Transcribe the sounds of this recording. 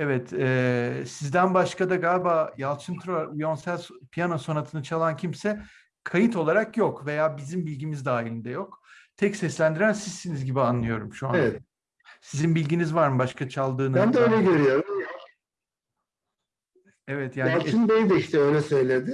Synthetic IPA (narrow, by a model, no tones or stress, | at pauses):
ɛvɛt̪ʰɛːsizd̪ænbaʃkad̪aɡalʲbaːjalˠt͡ʃʰɯnt̪ʰɾaijo̞nsælʲspʰijano̞so̞nat̪ʰɯnɯt͡ʃʰalˠancʰimsɛ | kʰajɯt̪ʰo̞lˠaɾakjo̞kve̞jaːbizimbilʲɟimizd̪aːilʲind̪ɛjo̞kt̪ʰɛcsɛslʲænd̪iɾænsizsinizɟibianlːˠɯjo̞ɾumʃuaɛt̪ | sizinbilʲɟinizvaɾmbaʃkat͡ʃʰalˠd̪ɯːnɯænd̪ɛøjlʲɛɟøɾyjo̞ɾumja | ɛvɛt̪ʰjaːnlˠɯnbejd̪ɛiʃt̪ɛøjlʲɛsø̞jlʲed̪ɪ